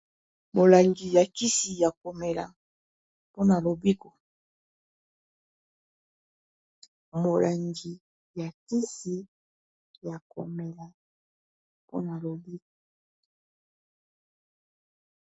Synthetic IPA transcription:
mo˨la˨ŋɡi˨ja˨ki˦si˨ja˨ko˨me˨la̰˨ | po˦na˨lo˨bi˦ko˨ | mo˨la˨ŋɡi˨ | ja˨ki˦si˨ | ja˨ko̰˨me˨la˨ | po̰˦na˨lo˨bi˦ko˨

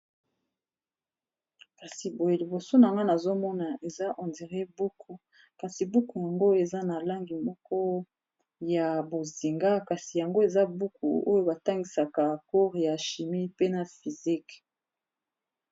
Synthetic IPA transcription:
ka˨si˨bo˨e˨li˨bo˨so˦na˨ŋɡa˦na˨zo˦mɔ˦na˨e˨za˦ʔɔ̃˨ndi˨ʁe˦bu˦kʰu˨ | ka˨si˨bu˦ku˨ja˨ŋɡo˦e˨za˦na˨la˦ŋɡi˨mɔ˦kɔ˦ | ja˨bo˨zi˨ŋɡa˦ka˨si˨ja˨ŋɡo˦e˨za˦bu˦ku˨o˦jo˦ba˨ta˦ŋɡi˨sa˨ka˨ku˦ʁja˨ʃi˨mi˦pe˦na˨fi˨zi˦k

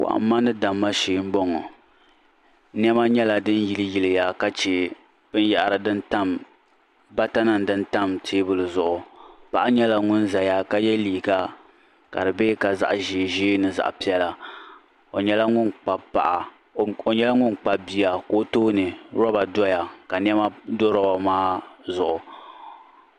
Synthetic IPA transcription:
ka̰˨ʔa̰˨m˦mːa˦nɨ˦da˨mːa˦ʃiː˨˦m̩˦bɔ˦ŋɔ˨˦ | n˦ɛ˦ma˦ɲɛ˦la˨dɨ˦n˦ji˨lɨ˦ji˨lɨ˨ja˨ka˦t͡ʃe˨ | b̥ɨ˦n˦jɛ˨ʔɾɨ˨dɨ˦nta˦m | ba˦ta˦na˨ndɨ˦nta˦mtʰeː˦bɨ˦lɨ˨zʊ˨ʔʊ˨pa˨ʔa˦ɲɛ˦la˨ŋʊ˦n˦za˨ja˦ka˦jɛ˦liː˨ɡa˦ | ka̰˨dɨ˨be˦ka˨za̰˦ʔʒiː˨˦˨ʒiː˦nɨ˨za̰˨ʔpi˦ɛ˦la˨ | o˨ɲɛ˦la˦ŋʊ˦nk͡pa˨pa̰˨ʔa˨ | o˨ɲɛ˦la˦ŋʊ˦nk͡pa˨bi˨ja˨ko˦toː˦nɨ˨ɾɔ˦ba˨dɔ˦ja˨ka˨n˦ɛ˦ma˦do˦ɾa˨a˨maː˦zʊ˨ʔʊ˨

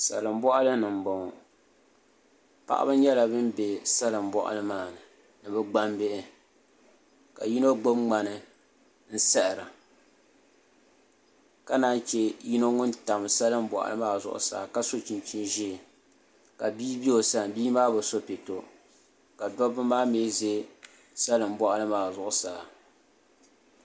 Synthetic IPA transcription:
sa̰˨lɨ˨mbɔ˦ʔa˦lɨ˦nɨ˨m̩˨bɔ˨ŋɔ˨ | pa̰˦ʔa̰˦bɨ˦ɲɛ˦la˨bɨ˦m˦be˨sa˦lɨ˨mbɔ˦ʔa̰˦lɨ˦maː˨nɨ˨ | nɨ˨bɛ˦ɡ͡ba˦mbe˦ʔɪ˦ | ka̰˨ji˦no˦ɡo˦bŋ͡ma˨nɨ˦ | n̩˦sɛ˦ʔɪ˨ɾa˨ | ka˦naː˦nt͡ʃɛ˦ji˦no˦ŋʊ˦nta˨m˨sa˦lɨ˦m̩˦bɔ̰˨ʔa̰˨lɨ̰˦maː˦zʊ̰˦ʔʊ̰˨sa̰ː˨ka˦so˦t͡ʃi˨nt͡ʃi˦nʒi˦˨ | ka˨biː˦bi˦o˨sa˨n˨biː˦maː˦bɨ˨so˦pe˨to˦ | ka˨dɔ˦bɨ˦maː˦me˦ze˦ | sa˦lɨ˨m̩˦bɔ˦ʔa˦lɨ˦maː˨zʊ˨ʔʊ˦saː˨

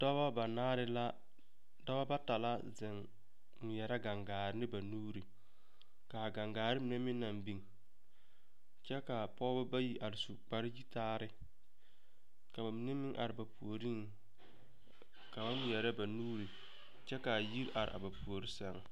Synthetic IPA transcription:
da˦βa˦ba˨naː˦ɾɪ˦la˦ | da˦ba˦ba˦ta˨la˦zɪ˨ŋ | m˨jɛ˨ɾa˦ɡa˨ŋɡaː˨ɾɪ˦nɪ˦ba˨nuː˦ɾi˨ | ka˨ɡa˨ŋɡaː˨ɾɪ˦mɪ˨ne˦mɪ˦nːa˨mbi˦ŋ | t͡ʃɛ˦ka˨pɔ˦bʊ˦ba˦ji˨ʔa˨ɾɪ˨su˨k͡pa˨ɾɪ˦d͡ʒi˦taː˦ɾɪ˦ | ka˨ba˨m˦nɪ˦mɪ˦ŋʔa̰˨ɾɪ˨ba˨pu˨o˨ɾi˦ŋ | ka˨ba˦mɪ˨jɛ˨ɾa˦ba˨nuː˦ɾi˨ | t͡ʃɛ˦ka˨ji˦ɾʔa˨ɾɪ̰˨ʔa̰˨ba˨pu˨o˨ɾi˦sɛ˦˨ŋ˨

